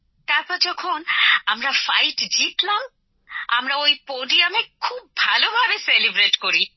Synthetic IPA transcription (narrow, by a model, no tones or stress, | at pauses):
t̪aɾpɔɾd͡ʑɔkʰonamɾafajʈd͡ʑit̪lam | a̰mɾaojpoɖiamekʰubːʱalobʱabeselibɾeʈkoɾi